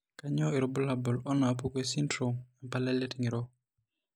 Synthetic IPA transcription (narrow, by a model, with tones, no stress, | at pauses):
ka˦ɲɔ˦i˨ɾɔ˨˦bɔ˦la˨bɔ˨lɔ˦na˨pu˦ke˦si˦ntɾo˨ma˨mpa˦lɛ˦le˦ti˨ŋi˨ɾɔ˦